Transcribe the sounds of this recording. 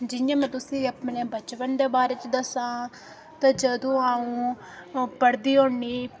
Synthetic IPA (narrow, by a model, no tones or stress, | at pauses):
d͡ʒɪjãːmɛ̃ːt̪ʊsĩːəpnẽːbət͡ʃʋənd̪eːbaːɾeːt͡ʃd̪əsãː | t̪ãːd͡ʒəd̪õːaːũː | pəɽd̪iːɦoːɳːiː